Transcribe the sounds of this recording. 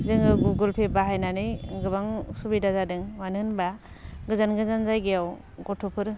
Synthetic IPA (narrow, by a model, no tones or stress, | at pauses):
zɯŋɯɡuɡulpʰebaɦajnanɯjɡɯbaŋsubidazadɯŋwanɯnba | ɡɯzanɡɯzanzajɡejaw | ɡɔtʰupʰɯɾ